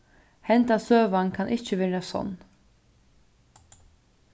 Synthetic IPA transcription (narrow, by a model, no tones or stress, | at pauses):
hɛnt̪asøːʋankʰanʔɪht͡ʃːəʋɛːɾasɔ̰nː